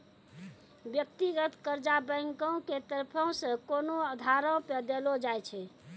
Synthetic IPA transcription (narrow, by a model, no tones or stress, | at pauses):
bjək̚t̪iɡət̪kəɾd͡ʒabəŋkə̃wket̪əɾpʰə̃sə̃konoəd̪ʱaɾə̃ped̪elod͡ʒajt͡ʃʰɛ